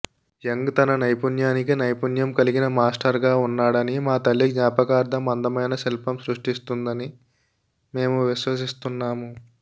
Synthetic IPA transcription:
jeŋɡt̪ɐnɐnɐjpunjaːnik̬inɐjpunjɐmkɐliɡinɐmaːsʈɐɾɡaːunːaːɽɐnimaːt̪ɐlːiɡɲaːpɐkaːɾd̪ʱɐmɐnd̪ɐmɐjnɐselpɐmsɾuʂʈist̪und̪ɐni | me̞ːmuʋiʃʋɐs̬ist̪unːaːmu

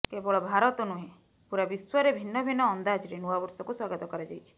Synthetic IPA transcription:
kebɔɭɔbʱaɾɔt̪ɔnuɦẽ | puɾabiswaɾebʱinːɔbʱinːɔːnd̪ad͡ʒɾenuabɔɾsɔkuswaɡɔt̪ɔkɔɾad͡ʒajt͡ʃʰi̥

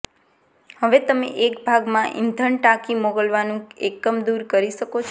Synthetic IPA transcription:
həʋet̪əmḛʔekbʱaɡmãʔḭnd̪ʱəɳʈakimoɡəlʋanũekːəmd̪uɾkəɾiʃəkot͡ʃʰ

